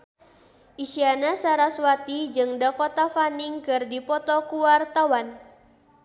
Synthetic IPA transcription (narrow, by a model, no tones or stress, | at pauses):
ʔisianasaɾaswat̪id͡ʒɨŋdakɔt̪afaniŋkɨrdipɔt̪ɔkuwart̪awan